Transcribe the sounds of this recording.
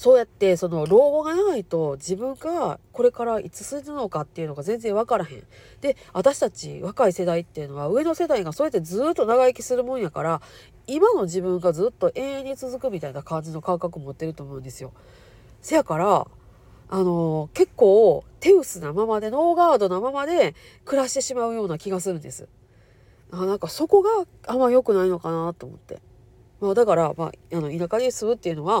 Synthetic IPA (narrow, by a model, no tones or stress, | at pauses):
so̞ːjat̪ːe̞so̞no̞ɾo̞ːbo̞ɡaanait̪o̞d͡ʑibɯ̟̃ŋɡako̞ɾe̞kaɾait͡sɨ̥sɨinɯno̞kat̪ːe̞iɯ̟no̞ɡazẽ̞nzẽ̞ɰ̃β̞akaɾaɦẽ̞̰n | d̪̥e̞βat̪aɕi̥t̪at͡ɕḭβakaise̞d̪ait̪ːe̞iɯ̟no̞βaɯ̟e̞no̞se̞d̪aiɡasoːjat̪ːezɨːt̪ːo̞naɡaekʲi̥sɨɾɯ̟mõ̞ɰ̃jakaɾa | imano̞ʑibɯ̟̃ŋɡazɨːt̪ːo̞ʔẽ̞ɰ̃ẽɲ̟ːɲit͡sɨzɨkɯ̟mʲit̪ainakãɲ̟d͡ʑino̞kãŋkakɯ̟moot̪ːe̞ɾɯ̟t̪oːmo̞ɯ̟nd̪e̞sɨjo̞ | sejakaɾaː | no̞ke̞kːo̞ːt̪e̞ɯ̟sɨnamamad̪e̞no̞ːɡaːd̪o̞namamad̪e̞ | kɯ̟ɾaɕi̥t̪e̞ɕimaɯ̟jo̞ːnakʲiɡasɨɾɯ̟̃nd̪e̞sɨ̰ | anãŋkaso̞ko̞ɡa | amːaɾijo̞kɯ̟naino̞kanat̪o̞ːmo̞̰t̪ːe̞̰ | maːd̪akaɾama̰ano̞inakaɲʲisɨβɯ̟t̪ːe̞iɯ̟no̞βa